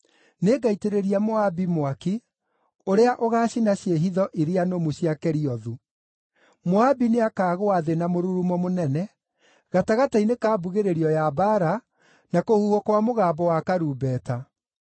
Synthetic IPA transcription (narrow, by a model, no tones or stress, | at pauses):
neɡaiteɾeɾiamoabimwaki | oɾeaʔoɣaːɕinaɕjeɦiðɔʔiɾeanomuɕjakɛɾiɔðu | moabineakaːɣoaðenamoɾuɾumɔmonɛnɛ | ɣataɣatainekaːbuɣeɾeɾiɔjabaɾa | nakohuhokwamoɣaːbɔwakaɾubɛːta